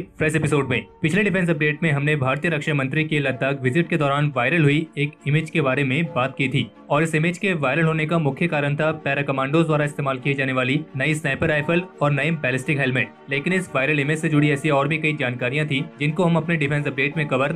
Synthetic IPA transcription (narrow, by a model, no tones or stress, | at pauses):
pʰɾɛʃɛpɪsoːɖmẽːpɪt͡ʃʰleɖɪpʰɛ̃ns̬ɐp̚ɖeːʈmẽɦɐmnebʱaːɾt̪ijəɾɐkʃamɐ̃nt̪ɾikelɐd̪ʱaːkʋɪzɪʈked̪ɔːɾaːnʋaːɪɾəlɦʊieːkɪmeːd͡ʒkebaːɾemẽbaːt̪kiːt̪ʰiː | ɔːɾɪsɪmeːd͡ʒkeʋaːɪɾəlɦoːnekamʊkʰjəkaːɾənt̪ʰapɛːɾakɐmãːɳɖoːzd̪waːɾaɪst̪eːmaːlkied͡ʒaːneʋaːlinɐisnaːpəɾaːɪpʰəlɔːɾnɐebɛːlɪsʈɪkɦɛlmeːʈ̚ | leːkɪnɪsʋaːɪɾəlɪmed͡ʒsed͡ʒʊɽiɛːsiɔːɾbʱikɐid͡ʒaːnkaːɾijãt̪ʰid͡ʒɪnkoɦɐmɐpneɖɪpʰɛ̃ns̬ɐp̚ɖeːʈmẽkɐʋəɾ